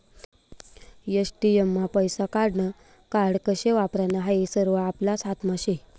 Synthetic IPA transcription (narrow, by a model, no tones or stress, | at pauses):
jəsʈijəmːapəjsakaɽɳə | kaɽkəɕeʋapɾanaɦaisəɾʋəaplasat̪ʰmaɕe